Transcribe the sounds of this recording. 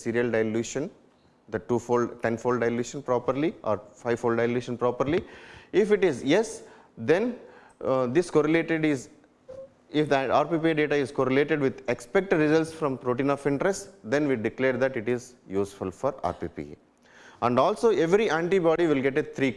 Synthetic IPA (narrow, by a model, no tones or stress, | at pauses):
siːɾijəlɖaɪljuːʃə̃n | d̪ɐʈuːfoːlɖʈẽnfoːlɖaɪljuːʃə̃npɾɔːpəɾliʔɔ̰ːɾfaɪʋfoːlɖaɪljuːʃə̃npɾɔːpəɾliɪfɪʈɪzjes | d̪ẽn | d̪ɪskoːɾəleːʈeɖɪz | ɪfd̪aːɾpip̬iɖeːʈaɪzkoːɾəleːʈeɖʋɪd̪ekspek̚ʈɖɾɪzəlʈsfɾɔ̃mpɾoːʈĩːnɔfɪ̃ɳʈɾesʈd̪ẽnʋiɖɪkleːɾd̪æʈɪʈɪzjuːsfulfɔːɾa̰ːɾpḭːpḭ | æ̃ɳɖɔːlsoːeʋɾiæ̃ɳʈibɔːɖiʋɪlɡeʈet̪ʰɾiː